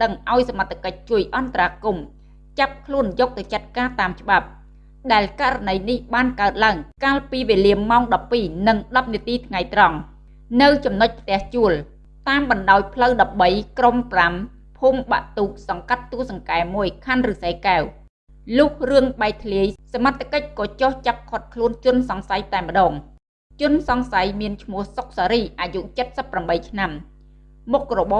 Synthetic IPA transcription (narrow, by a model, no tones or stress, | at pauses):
ɗəŋʔaɔjsamat̪ʰːḁkəc̚t͡ɕuəjʔɑnt̪araːkum | t͡ɕap̚kʰluənjɔːk̚t̪ɨwt͡ɕat̪̚kaːt̪aːmt͡ɕə̆ɓap̚ | ɗaɛlkaʔranəjnihɓaːnkaət̪̚laəŋkaːlpiːʋeːliəmaɔŋɗɑpːiːnɨŋɗɑp̚niət̪iːt̪ʰŋajt̪rɑŋ | nɨwt͡ɕɑmnoc̚pʰt̪ɛ̆əht͡ɕuəl | t̪aːmɓɑnɗaɔj̚pʰləwɗɑp̚ɓəjkrompram | pʰuːmɓa̰ʔt̪uːk̚sɑŋkat̪ːuəhsɑŋkaɛmuəjkʰanrɨːsəkaw | luːhrɨəŋɓaɛt̪ʰliəjsamat̪ʰːakəc̚kɑːt͡ɕoht͡ɕap̚kʰŏət̪̚kʰluənt͡ɕʊ̆ənsɑŋsajt̪aɛmːə̆ɗɔːŋ | t͡ɕʊ̆ənsɑŋsajmiənt͡ɕʰmʊ̆əhsok̚saːɾiːʔaːjuʔt͡ɕət̪̚səpːramɓəjt͡ɕʰnamː | uk̚rɔɓɑː